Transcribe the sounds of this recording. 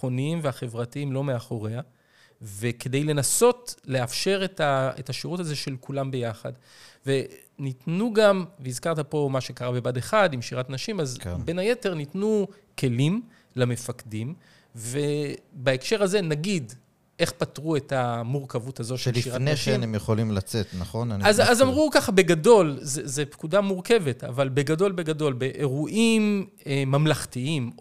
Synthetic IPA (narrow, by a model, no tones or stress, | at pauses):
oniimveaχe̞vʁatiimlo̞meaχo̞ʁea | ve̞ke̞dejle̞naso̞tle̞afʃe̞ʁetaḛtaʃiʁutazo̞ʃe̞lkulambe̞jaχa̰d | ve̞ | nitnuɡamveizkaʁtapo̞maʃe̞kaʁabe̞bade̞χadimʃiʁatnaʃimazbe̞naje̞te̞ʁnitnu | ke̞lim | lame̞fakdim | ve̞baekʃe̞ʁaze̞naɡid | e̞χpatʁue̞tamuʁkavuthazo̞ʃeliʃiʁaneʃenemjeχolimlat͡setnaχo̞naniazazamʁukaχabe̞ɡado̞lzezepkudamuʁke̞ve̞ta̰valbe̞ɡado̞lbe̞ɡado̞lbe̞ʔeʁuʔim | emːamlaχtiim